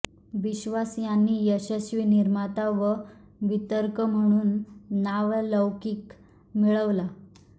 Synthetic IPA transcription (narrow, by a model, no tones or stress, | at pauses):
ʋiɕʋasjanːiːjəɕəɕʋiniɾmat̪aʋə | ʋit̪əɾkəm̤əɽ̃uːnːaʋləwkiːk | miɭəʋla